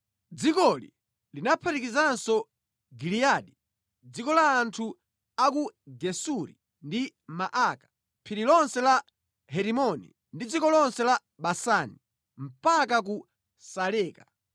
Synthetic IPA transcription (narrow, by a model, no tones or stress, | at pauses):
d͡zikɔlḭ | linapʰaɾikizansɔ | ɡilijaɗi | d͡zikɔlaːntʰu | akuɡɛsuɾi | ndimaʔakḁ | pʰiɾilɔnsɛla | ɦɛɾimɔnḭ | ndid͡zikɔlɔnsɛla | ɓasani | m̩pakaku | salɛːka